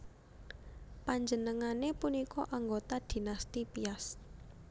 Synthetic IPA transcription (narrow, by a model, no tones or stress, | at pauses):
paɲd͡ʒənəŋanepunikɔʔaŋɡot̪ad̪̥i̤nast̪ipias